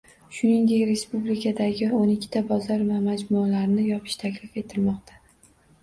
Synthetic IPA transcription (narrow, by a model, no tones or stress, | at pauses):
ʃʊnɪŋd̪e̞kʲɾe̞spublikʰad̪aɡʲɪonɪkʲʰːɪ̥t̪ʰabɒzɒɾvamad͡ʒmʊalaɾnɪjɒpʰɪ̥ʃt̪ʰakʲlɪfe̞t̪ʰɪlmɒqt̪ʰḁ